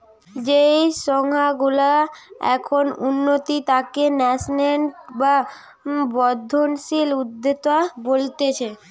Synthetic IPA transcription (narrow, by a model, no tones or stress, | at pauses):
d͡ʑejʃɔŋɦaɡulaɛ̰kʰonunːot̪it̪akenɛsnenʈba | bɔd̪ʱːonʃilud̪ʱːet̪oabolt̪et͡ɕʰe